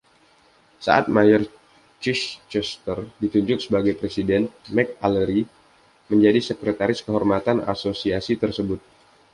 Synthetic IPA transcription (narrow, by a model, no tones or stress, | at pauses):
sa̰ʔat̪̚majər | t͡ʃiʃt͡ʃɛst̪ərdit̪uɲd͡ʒʊk̚səbaɡajpɾesidɛnmɛk̚aləɾi | məɲd͡ʒadisəkɾet̪aɾɪskəɦɔrmat̪ana̰sosiasit̪ərsəbʊt̪̚